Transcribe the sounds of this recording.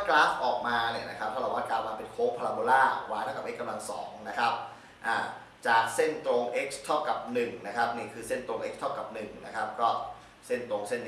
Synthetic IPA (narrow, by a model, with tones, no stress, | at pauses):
klaː˦˥sʔɔː˨˩k̚maː˧nɯː˨˧˩na˦˥kʰa˦˥p̚t̪ʰa˥˩la˧˦˩waː˥˩kaː˧˩wa˧npe˨˧˩nkʰoː˦˥˩pʰa˧la˧boː˧laː˥˩waː˨˦a˥˩ka˨˩ʔe˦˥kːa˧mla˧ŋsɔ̰ː˩˦ŋna˦˥kʰa˦˥p̚ | ʔaː˨˩ | t͡ɕaː˨˩k̚se˥˩nt̪oː˧ŋʔe˦˥k̚st̪ʰa˥˩wka˨˩p̚nɯ˨˩ŋna˦˥kʰa˦˥p̚niː˥˩kʰɯː˧se˥˩nt̪ɾoː˧ŋʔe˦˥k̚t̪ʰa˥˩wka˨˩p̚nɯ˨˩ŋna̰˦˥kʰa˦˥p̚kɔː˥˩ | se˥˩nt̪oː˧ŋse˥˩nː˦˥